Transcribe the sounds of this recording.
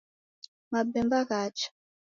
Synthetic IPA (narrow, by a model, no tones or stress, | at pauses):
mabɛmbaɣaːt͡ʃḁ